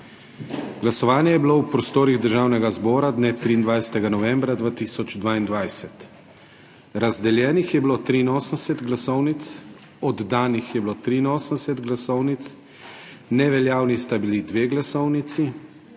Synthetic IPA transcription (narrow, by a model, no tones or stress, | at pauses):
ɡ̥lasɔʋaːnjɛjɛbilowpɾɔst̪oːɾiɣd̪əɾʒaːwnɛɡazbɔːɾad̪neːt̪ɾiːnd̪ʋajsɛ̥t̪ɛɡanɔʋɛmbɾad̪ʋaːt̪isɔd͡ʒd̪ʋaːind̪ʋajsɛt̪ | ɾazd̪ɛljɛːnixjɛbilot̪ɾiːnoːsənsɛt̪ɡlasɔwnit̪s | ɔd̪ːaːnixjɛbilot̪ɾiːnoːsənɛsɛt̪ɡlasɔwnit̪s | nɛʋɛljaːwnist̪abilid̪ʋeːɡlasɔwnit̪si